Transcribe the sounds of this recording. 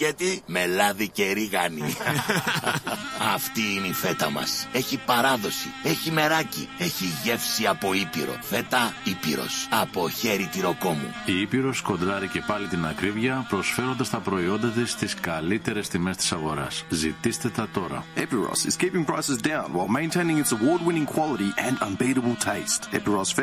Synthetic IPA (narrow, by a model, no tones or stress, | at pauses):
ʝɐt̪ime̞lɐðice̞ɾiɣɐni | ɐft̪iineife̞t̪ɐmɐ̰se̞çipɐɾɐðo̞sḭe̞çime̞ɾɐcḭe̞çiʝe̞fsiɐpo̞ipiɾo̞̰fe̞t̪ɐipḭɾo̞̰sɐpo̞çe̞ɾit̪iɾo̞ko̞mṵiipiɾo̞sko̞nd̪ɾɐɾice̞pɐlit̪inɐkɾivʝɐpɾo̞sfe̞ɾo̞nd̪ɐst̪ɐpɾo̞io̞nd̪ɐt̪ist̪iskɐlit̪e̞ɾe̞st̪ime̞st̪i̥sɐɣo̞ɾɐ̰szit̪ist̪e̞t̪ɐt̪o̞ɾɐ̰ɛpiɹɑ̰sɪ̰z̥kipɪ̃ŋpɹ̥aɪsɨzdãʊ̃nwaɪlˠmẽɪ̃ntʰẽɪ̃nɪ̃ŋɪtsəwɔɹd̚wɪ̃nɪ̃ŋkʰw̥ɑlˠəɾiʔɨ̃nɐ̃nbiɾəbəl̩ˠtʰeɪstɛpiɹɑsf